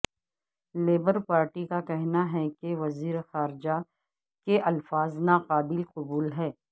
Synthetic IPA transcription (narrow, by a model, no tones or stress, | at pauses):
leːbəɾpaːɾʈikakɛɦnaɦɛkeʋɐziːɾexaːɾɪd͡ʒa | keʔɐlfaːznaqaːbɪlqʊbuːlɦɛː